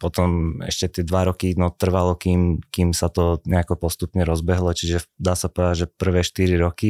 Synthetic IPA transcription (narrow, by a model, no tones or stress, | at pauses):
pɔt̪ɔmɛ̰ʃcɛt̪ɪɛd̪ʋaɾɔkinɔt̪r̩ʋalɔkimkimsat̪ɔɲɛakɔpɔst̪upɲɛɾɔzbɛɦlɔt͡ʃiʒɛd̪aːsapɔʋɛd̪aɟʒɛpr̩ʋɛːʃt̪iɾiɾɔki